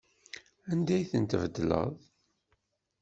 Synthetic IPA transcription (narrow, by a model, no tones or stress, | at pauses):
ænd̪æjθənt̪əvəd̪lə̰ðˤ